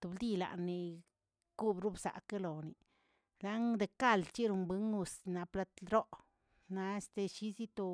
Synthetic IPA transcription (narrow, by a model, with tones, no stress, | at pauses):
t̪u˨bld̪i˦la̰˨nːi˨ | ku˦bɾu˦bsa̰˨ke˦lo˨ni˨ | la˦ŋd̪e˨ka˦˧˨lt͡ʃi˦ɾu˨˧mbɨ˧ŋu˧sna˧pla˧t̪ɾo˦ʔ | na˧e˦st̪e˨˧ʃi˦zi˦t̪o˧